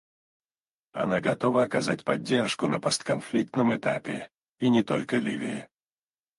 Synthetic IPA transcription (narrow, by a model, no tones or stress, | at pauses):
ɐ̰naɡɐt̪ovəɐkɐzatʲpɐdʲːerʂkʊnəpost̪kɐnflʲik̚t̪nəmɨt̪apʲɪ | inʲɪt̪o̞̰lʲkəlʲivʲɪɪ